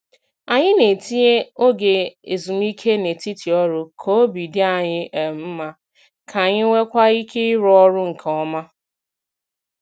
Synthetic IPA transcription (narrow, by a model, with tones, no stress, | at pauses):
a˨ɲɪ˦ne˨ti˦e˦o˦ɡe˨e˨zu˨m˦i˦kʰe˦ne˨ti˦ti˨ɔ˦ɾʊ˦kʰo˦o˦bi˨dɪ˦a˨ɲɪ˦ʔe˨m̩˦ma˦ | kʰa˨ɲɪ˦ŋʷe˦kʷa˦i˦ke˦ɾɔ˦ɾʊ˦ŋ̩˨kʰɔ˦ma˦